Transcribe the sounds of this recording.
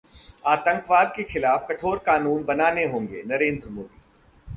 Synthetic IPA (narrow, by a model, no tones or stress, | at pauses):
aːt̪ə̃ŋkʋaːd̪̚kexɪlaːfkɐʈʰoːɾkaːnũːnbɐnaːneɦõːŋɡḛːnɐɾẽːnd̪ɾmoːd̪iː